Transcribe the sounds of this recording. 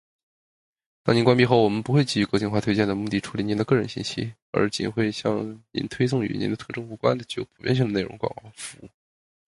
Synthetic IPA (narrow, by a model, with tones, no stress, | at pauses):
t̪ɑ˥˧ŋni˧˥nkwa˥npi˥˧xo˥˩ʊwɔ˨˩mə˦npu˧˥xwe˥˧ɪt͡ɕi˥˩y˧˩kwo˥˧t͡ɕi˥˧nxwa˥˩t̪ʰwe˥ɪt͡ɕjɛ˥˩nd̪ə˩mu˥˧˩t̪i˥˩ʈ͡ʂʰu˧˥li˧˥ni˧˥nd̪ə˧kɤ˥˩ɻə˧˥nɕi˥˧nɕḭ˥ | ə̰˞˧˥t͡ɕḭ˨˩nxwe˥˧ɪɕjɑ˥˩ŋnḭ˧˥nt̪ʰwe˥ɪsʊ˥˩ŋy̰˧˥ni˧˥nd̪ə˧t̪ʰɤ˥˧˩ʈ͡ʂɤ˥ŋu˥˩kwa̰˥nd̪ə˨t͡ɕy˥˩jo̰˧˥ʊpʰu˨˩pjɛ̰˥˧ɕ̬i˥˩ŋd̪ə˩ne˥˩ɪɻʊ˧˥ŋkwɑ̰˨˩ŋkɑ˧˥ŋfu˧˥ṵ˥˩